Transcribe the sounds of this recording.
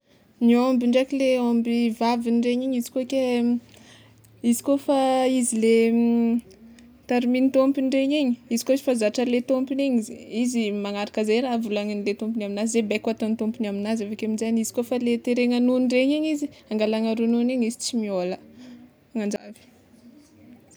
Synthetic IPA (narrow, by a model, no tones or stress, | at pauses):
niombiɳɖ͡ʐakileombivavinɖ͡ʐeɲiɲizi̥koke | izi̥kofaizile | t̪aɾiminit̪ompiɳɖ͡ʐeɲiɲiizi̥koizifazaʈ͡ʂəlet̪ompiniɲiziizimaŋaɾakəzejɾavulaŋinilet̪ompinaminazizebekat̪onit̪ompinaminazavakeminzanizi̥kofalet̪eɾeŋanunɖ͡ʐeɲiɲiziaŋɡalaŋaɾununiɲizit͡simiolə | aŋand͡ʒa̰vi̥